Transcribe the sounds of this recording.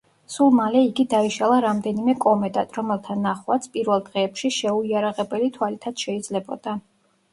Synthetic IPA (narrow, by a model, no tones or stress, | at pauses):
sulˠmalɛiɡid̪aiʃalˠaɾamd̪ɛnimɛkʼɔmɛd̪at̪ʼɾɔmɛlˠt̪ʰanːaχwat̪sʰpʼiɾvɛlˠd̪ʁɛːpʃiʃɛuiaɾaʁɛbɛlit̪ʰwalit̪ʰad̪̥ʃɛid̪zlɛbɔ̰d̪̥a